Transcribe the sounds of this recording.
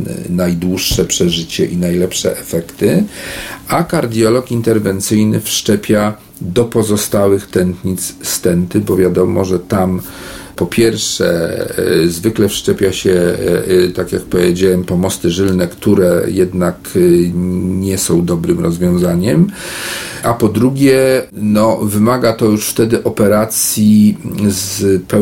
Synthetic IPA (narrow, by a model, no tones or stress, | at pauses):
najd̪wuʂːɛpʂɛʐɘt͡ɕɛʔinajlɛpʂɛ̰ʔɛfɛkt̪ɘ | akaɾd̪ʲjɔlɔkint̪ɛɾvɛnt̪sɘjnɘfʂt͡ʂɛpʲja | d̪ɔpɔzɔst̪awɘxt̪ɛnt̪ɲit̪sst̪ɛnt̪ɘbɔvʲjad̪ɔmɔʐɛt̪am | pɔpʲjɛɾʂɛ̰ | zvɘklɛfʂt͡ʂɛpʲjaɕɛ | t̪akjak̚pɔvʲjed͡ʑawɛmpɔmɔst̪ɘʐɘlnɛkt̪uɾɛjɛd̪nak | ɲɛsɔ̃w̃d̪ɔbɾɘmɾɔzvʲjɔ̃w̃zaɲɛm | ʔapɔd̪ɾuɡʲjɛnɔvɘmaɡat̪ɔjuʂft̪ɛd̪ɘʔɔpɛɾat̪sʲjizpɛ